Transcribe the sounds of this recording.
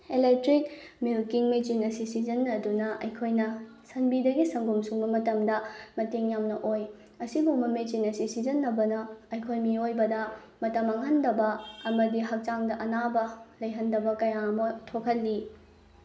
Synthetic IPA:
elek̚tɾik̚milkiŋmet͡ʃinɐsisizɐnːɐdunɐʔɐjkʰojnɐsɐnbidɐɡisɐŋɡumsuŋbɐmɐtɐmdɐmɐteŋjamnɐʔoj | ɐsibuŋbɐmet͡ʃinɐsisizɐnːɐbɐnɐɐjkʰojmiojbɐdɐ | mɐtɐmɐŋɦɐndɐbɐɐmɐdiɦɐk̚t͡ʃaŋdɐʔɐnabɐlɐjɦɐndɐbɐkɐjamɐtʰokʰɐt̚lːi

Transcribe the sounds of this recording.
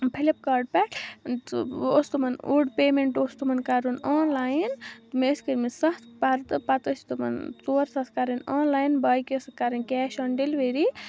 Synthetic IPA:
pʰilip̚kaːɾɖ̚pɛʈ̪ʰ | ost̪umɐnuɖpeːmeɳʈoːst̪umɐnkaɾunaːnlaːjint̪meskəɾmesɐht̪ʰpɐɾt̪pɐt̪əst̪umɐ̰nt͡soːɾsɐt̪ʰkaɾɐnaːnlaːjnbaːjkeskaɾɐnkɛːʃɐnɖelʋeɾi

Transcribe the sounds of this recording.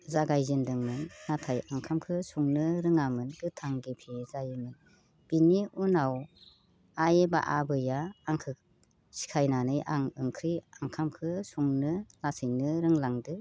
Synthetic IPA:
zaɡajzindɯŋmɯnːatʰajaŋkʰamkʰɯsuŋnɯɾɯŋamɯnɡɯtʰaŋɡipʰezajɯmɯn | b̥iniunaw | ajeba̰ʔabɯjaːŋkʰɯk̚ | si̥kʰajnanɯjʔaŋɯŋkʰɾiaŋkʰamkʰɯsuŋnɯlasɯjnɯɾɯŋlaŋdɯ

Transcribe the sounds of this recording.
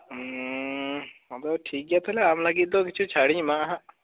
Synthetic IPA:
mət̪ləbʈʰiːk̚ɡjaːt̪ʰolɛaːmləɡit̪̚d̪ok̬ɪt͡ʃʰut͡ʃʰaɽĩmãɦã

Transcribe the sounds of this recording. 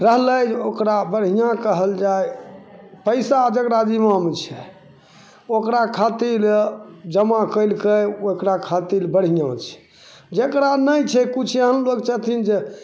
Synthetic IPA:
ɾəɦləd͡ʒokɾabəɽ̤ɦijãkəɦəld͡ʒaj | pəɪsad͡ʒəkɾad͡ʒimamet͡ʃʰɛ | okɾakʰat̪ild͡ʒəmakəɪlkeokɾakʰat̪ilbəɽ̤ɦijãt͡ʃʰɛ̥ | d͡ʒekɾanəjt͡ʃʰɛkut͡ʃʰeɦənlokt͡ʃaɦt̪ʰind͡ʒe

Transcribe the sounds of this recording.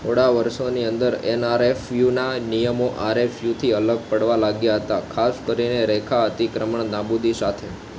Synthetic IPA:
t̪ʰoɽaʋəɾʃoniənd̪əɾɛ̰naɾefjunanijəmoʔaɾefjut̪ʰiələɡ̚pəɽʋalaɡjaɦət̪akʰaskəɾineɾɛkʰaɦət̪ikɾəməɳnabud̪isat̪ʰe

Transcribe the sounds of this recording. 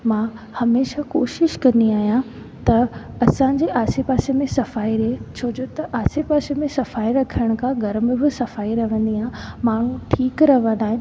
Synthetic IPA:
mã | hɐmeːʃakoːʃɪʃkɐ̃nd̪iaːɦijã | t̪ɐɐsãːɲ̆d͡ʑeʔaːsepaːsemẽsɐfaːiɾiet͡ɕʰoːd͡ʑot̪ɐʔaːsepaːsemẽsɐfaːiɾɐkʰəɽ̃̆kʰãɡɐɾmbɪsɐfaːiɾɐʋə̃nd̪iamaːɳ̤ũʈʰiːkɾɐʋə̃nd̪aːɦɪ̃n

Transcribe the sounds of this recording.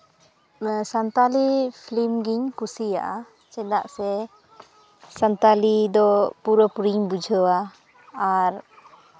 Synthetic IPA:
sant̪alipʰlimɡiɲkusija̰ʔa | t͡ʃɛd̪aʔsɛ | sant̪alid̪ɔpuɾəpuɾiɲbud͡ʒʱəwaː | ɾ

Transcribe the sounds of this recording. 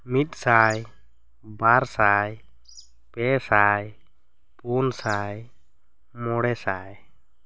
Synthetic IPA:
mit̪̚saj | baɾsaj | pɛsaj | punsaj | mɔɽɛsaj

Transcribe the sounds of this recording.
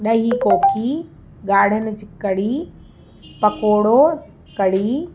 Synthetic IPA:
ɗɐɦikoːkʰi | ɡaːɽ̤ənɪ̆d͡ʑɪkːɐɽiː | pɐkoːɽo | kɐɽ̤iː

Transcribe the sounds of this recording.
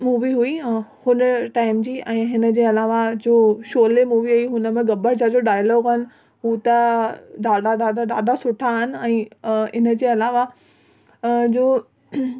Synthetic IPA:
muːʋiɦuihʊnəʈaːɪmd͡ʑiːʔɛ̃ːɦɪnə̆d͡ʑeːɐlaːʋad͡ʑoːʃoːlemuːʋiɦuiɦʊnəmẽɡɐbʱəɾt͡ɕad͡ʑoɖaːjəloːɡɦɪnɪ̆ | ɦuːt̪ɐɗaːɖaɗaːd̪aɗaːdasʊʈʰaɦɪnɪ̆ɛ̃ːɪnəd͡ʑeːɐlaːʋa | d͡ʑoː

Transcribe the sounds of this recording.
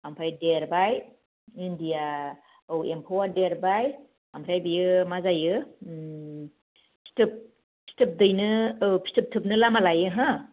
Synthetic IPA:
ampʰajdeɾbaj | indija | ɯwempʰowadeɾbaj | ampʰajbijɯmazajɯ | pʰi̥tʰɯp̚ | pʰi̥tʰɯp̚dɯjnɯːpʰi̥stʰɯp̚tʰɯp̚nɯlamalajɯɦa

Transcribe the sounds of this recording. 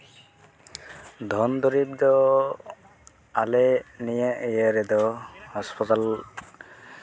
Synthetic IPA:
d̪ʱɔnd̪ɔɾib̚d̪ɔ | alɛnijaʔejaɾɛd̪ɔhɔspʰɔt̪al

